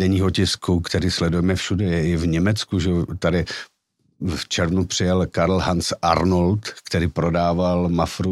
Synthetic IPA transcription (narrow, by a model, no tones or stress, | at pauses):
dɛɲiːɦocɪskukt̪ɛɾiːslɛdujɛmɛfʃudɛjɛɪvɲɛmɛt͡skuʒɛot̪adɪ | ft͡ʃɛɾvnupr̝̥ɪjɛlkaɾlɦant͡sʔa̰ɾnolt̪kt̪ɛɾiːpɾodaːvalmafɾu